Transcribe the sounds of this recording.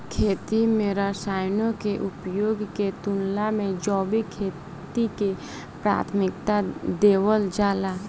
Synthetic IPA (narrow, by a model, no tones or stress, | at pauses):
kʰeːt̪imeːɾasaːjnõkeʔʊpjoːɡket̪ʊnlamẽd͡ʒɔːbʱikʰeː | t̪ike | pɾa̰ːt̪ʰmɪkt̪ad̪eːwəld͡ʒaːlaː